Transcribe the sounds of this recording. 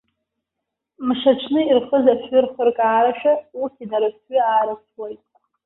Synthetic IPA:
mʂaʈ͡ʂʰnɨirχəzaħʏrχərkʼaːɾaʃᶣausʰinaɾɨpɥiaːɾasʰwajtʼ

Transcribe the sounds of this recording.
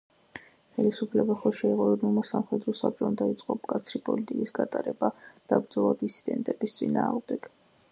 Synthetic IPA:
χɛlisupʰlɛbaχɔʃɛiʁʼɔɛulˠmasamχɛd̪ɾɔsap̚t͡ʃʼɔnd̪ait̪sʼqʼɔkʼat̪sʰɾipʼɔ̰lit̪ʼikʼisɡat̪ʼaɾɛbad̪̥abɾd̪zɔlˠad̪isʰi̥d̪ɛ̰nt̪ʼɛbist̪sʼinaːʁmd̪ɛɡ̥

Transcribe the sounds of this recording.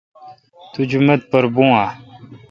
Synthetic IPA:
t̪ud͡ʑumət̪̚pəɾbũːãː

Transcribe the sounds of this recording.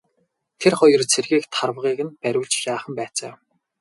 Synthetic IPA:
t̪ʰerχɔjɞ̆rt͡sʰerɣiːkt̪ʰarwʁiːɣɘ̆npæɾʲʊːɮt͡ɕjaːχə̆mpæːt͡sæ̰ː

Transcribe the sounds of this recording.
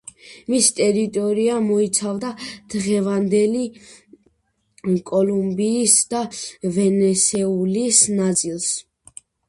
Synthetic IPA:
mist̪ʼɛɾit̪ʼɔɾiamɔit̪sʰavd̪ad̪̥ʁɛvand̪ɛli | kʼɔlumbiːsd̪avɛnɛsɛulisnat̪sʼilˠs

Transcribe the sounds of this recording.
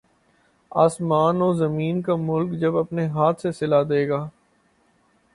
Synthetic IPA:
a̰ːsmaːnoːzɐmiːnkamʊlkd͡ʒɐbɐpneɦaːt̪ʰsesɪlad̪eːɡaː

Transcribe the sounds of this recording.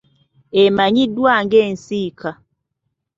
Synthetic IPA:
emaɲidwaŋɡɛn̩sikʰa

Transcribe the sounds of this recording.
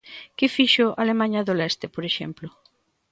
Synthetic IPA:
kɪfiʃoʔalemãɲɐðolɛst̪epoɾeʃɛ̰mplʊ

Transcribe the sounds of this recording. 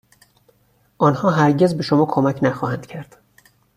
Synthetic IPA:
ʔɒːnhɒːɦæɾɟe̞zbeʃomɒːkʰomæcʰnæxɒːhænd̪̥cʰæɾd̪̥

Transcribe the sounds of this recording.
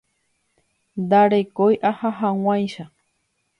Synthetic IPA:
d̪aɽekojʔahaɦaw̃ajʃa

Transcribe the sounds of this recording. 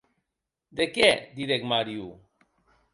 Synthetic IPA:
d̪ekɛd̪iɾekmaɾju

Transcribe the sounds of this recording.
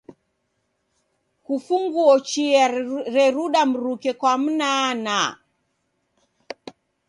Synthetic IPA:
kufuŋɡuɔt͡ʃiaɾɛɾuɗam̩ɾukɛkwam̩nana

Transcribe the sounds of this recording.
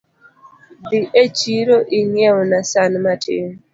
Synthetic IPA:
biʔet͡ʃiɾoʔiŋjɛwnasanmatʰɪ̰

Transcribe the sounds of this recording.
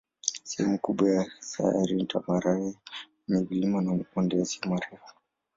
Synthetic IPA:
sɛhɛmukuɓwajasa̰aɾintamaɾaɛ | nivilimanamkundɛjasiamaɾɛfɔ̥

